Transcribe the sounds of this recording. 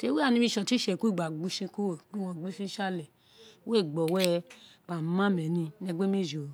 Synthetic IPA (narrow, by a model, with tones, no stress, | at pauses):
te˦we˦a˦˨nĩ˧˦mĩ˧ʃɔ̃˧ti˦ʃɛ˨ku˦i˦˨ɡ͡ba˨ɡ͡bu˦ʃĩ˧ko˦o˨k͡pu˦˨wɔ̃˧˨ɡ͡bu˦ʃĩ˦ʃa˦˨lɛ˨˦ | we˦˨ɡ͡bɔ˨wɛ˦ɡ͡ba˨˦mã˦mɛ˨˦nĩ˧nɛ˧ɡ͡be˦me˦˨d͡ʒo˨